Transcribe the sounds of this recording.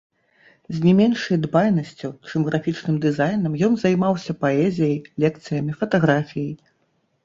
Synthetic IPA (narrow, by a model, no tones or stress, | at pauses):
zʲnʲɛmʲɛnʂɐjd̪bajnɐsʲt͡sʲut͡ʂɨmɣɾafʲit͡ʂnɨmd̪ɨzajnɐmjɔnzɐjmawsʲɐpaɛzʲijɐjlʲɛkt̪sɨjɐmʲifɐt̪aɣɾafʲijɐj